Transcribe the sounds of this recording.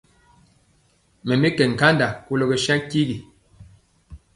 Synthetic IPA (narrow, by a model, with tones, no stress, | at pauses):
mɛ˨mi˦kɛ˨ŋ̩˨ka˦nda˨ku˦lo˨ɡɛ˨ʃa˦ŋ˦ki˦ɡi˨